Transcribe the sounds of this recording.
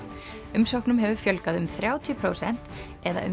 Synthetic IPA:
ʏmsowknʏmɦɛvʏfjœlkaðʏmθɾjaːwt̪ʰjʏpʰɾoːwsɛn̥t̪ | ɛða̰ʔʏ̰

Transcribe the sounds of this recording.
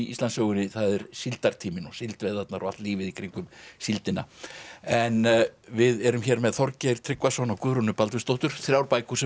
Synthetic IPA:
ist̪lansœːɣʏɾɪθaðɛɾ̥sɪlt̪aɾ̥t̪ʰiːmɪnɔsɪlt̪vejðat̪naɾʔɔa̰t̪liːvɪðikʰɾiŋkʏmsilt̪ɪna̰ɛnvɪðɛɾʏmçɛɾmɛðθɔɾcɛɾ̥t̪ʰɾɪkvasɔnawkʏːɾʏnʏpalt̪vɪst̪owht̪ʏɾ̥θɾjawɾpaːjkusɛ

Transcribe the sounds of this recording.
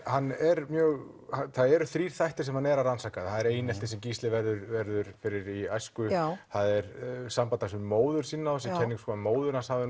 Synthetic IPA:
hanːɛɾmjœːɣ | haθaðɛɾʏθɾiːɾ̥θajht̪ɪ̥sɛmhanɛɾaɾansaːkaðθaðɛɾeːjnɛlt̪ɪsɛmciːst̪lɪvɛɾðʏɾvɛɾðʏɾ̥fɪɾɪɾiajskʏθaðɛɾsampat̪asʏmːoːwðʏɾ̥siːnːaɔsɛcʰɛnːɪŋkskɔamoːwðʏɾnashaːvɪ

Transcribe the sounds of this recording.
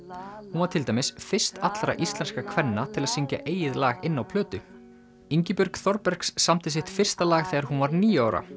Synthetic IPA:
hunvaɾt̪ʰɪlt̪ajmɪsfɪr̥st̪at̪lɾa̰ʔist̪lɛnskakʰvɛnːat̪ʰɪlaðsiɲca̰ʔeːjɪðlaːɣɪnːawpʰlœːt̪ʏ | iɲcɪpʏɾkθɔɾpɛɾ̥ksːamt̪ɪs̬ɪht̪fɪr̥st̪alaːɣθɛːaɾɦunvaɾniːjaːwɾa̰

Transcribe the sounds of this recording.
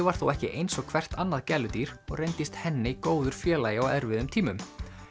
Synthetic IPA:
vaɾ̥θuwɛhcɪʔejnsɔɣkʰvɛr̥t̪anːaðcɛlʏt̪iɾ̥ɔɣrejnt̪ɪst̪hɛnːɪikoːwðʏɾ̥fjɛːlaːjɪɔwɛɾvɪðʏmt̪ʰiːmʏm

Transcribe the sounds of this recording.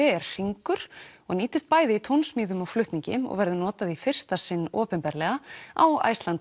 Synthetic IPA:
ɪɛɾr̥iŋkʏɾ̥ɔɣniːt̪ɪst̪̚paːjðɪit̪ʰownsmiːðʏmɔɣflʏht̪niɲcɪ̰mɔ̰ɣvɛɾðʏnɔːt̪aðifɪr̥t̪asɪnːɔːpɛmpɛɾlɛɣaa̰wa̰ːjst̪lant̪

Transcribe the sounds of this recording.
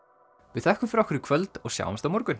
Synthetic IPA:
vɪðθɛhkʏmfɾawhkʰʏɾɪkʰvœlt̪ɔɣsja̰ːwamst̪awmɔɾkʏn

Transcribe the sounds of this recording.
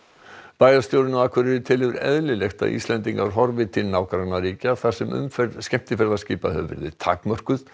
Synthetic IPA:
paːjðast̪jowɾʏnaaːkʰvœɾɪðɪt̪ʰɪlhɪvɪɾɛ̰ðlɪlɛxt̪a̰ðḭːslɛnt̪iŋkaɾ̥ɦɔɾvɪt̪ʰɪlnaːwkɾanaɾiːcaθḁsɛmʏ̰mfɛɾðscɛm̥t̪ɪfɛɾðasciːpahœ̰ːvʏ̰ɾðɪt̪ʰa̰ːkmœr̥kʏð

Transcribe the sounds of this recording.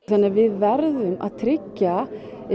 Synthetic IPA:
θanːaɾvɪðvɛɾðʏmʔa̰ðt̪ʰɾɪcːa

